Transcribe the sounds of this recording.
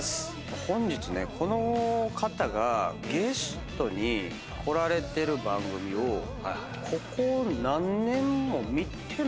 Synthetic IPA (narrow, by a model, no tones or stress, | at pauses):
s | hõ̞ɲ̟d͡ʑit͡sɨne̞̰kʰo̞no̞kʰat̪aɡaɡe̞sɨ̥t̪o̞ɲ̟i | kʰo̞ɾaɾe̞t̪e̞ɾɯ̟bãŋɡɯ̟mʲio̞ | kʰo̞konãnːẽ̞mːo̞mʲit̪e